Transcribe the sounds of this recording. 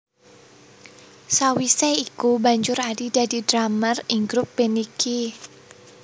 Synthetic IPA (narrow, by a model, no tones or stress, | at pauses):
sawisɛikubaɲd͡ʒʊɾaɖid̪̥a̤di̤d̪̥ɾamərɪŋɡɾʊpːenikʰi